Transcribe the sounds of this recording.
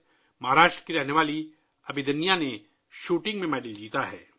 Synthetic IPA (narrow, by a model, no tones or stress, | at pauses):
mɐɦaɾaːʃʈɾə̥kiɾɛɦneʋaːli | ɐbʱɪd̪ənijane | ʃuːʈɪ̃ŋɡmẽmɛːɖəld͡ʒiːt̪aɦɛ̰ː